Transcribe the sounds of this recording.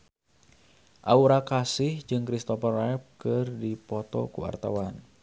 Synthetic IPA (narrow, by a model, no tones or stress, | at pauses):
ʔauɾakasɪhd͡ʒɨŋkɾist̪ɔfərɛp̚kɨrdipɔt̪ɔ̰kuwa̰rt̪awan